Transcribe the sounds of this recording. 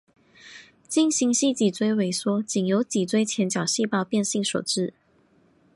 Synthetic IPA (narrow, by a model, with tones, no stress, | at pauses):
t͡ɕi˥˧ŋɕi˧˥ŋɕi˥˩t͡ɕi˨˩t͡swe˥ɪwe˧˥ɪswɔ˥t͡ɕi˨˩ŋjo˧˥ʊt͡ɕi˨˩t͡swe˥ɪt͡ɕʰjɛ˧˥nt͡ɕjɑ˨˩ʊɕi˥˧pɑ˥˧ʊpjɛ˥˧nɕi˥˩ŋʂo̰˨˩ʊʈ͡ʂɻ̩˥˩